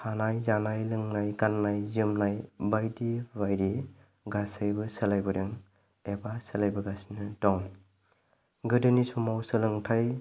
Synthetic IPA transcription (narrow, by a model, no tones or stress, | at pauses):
pʰanajzanajlɯŋnajɡanːajzɯmnajbajdibajɾi | ɡasajbɯsɐlajbɯɾeŋ | ebasəlajbɯɡasnɯtɔŋ | ɡɯdɯnisɔmawsɯlɯŋtʰaj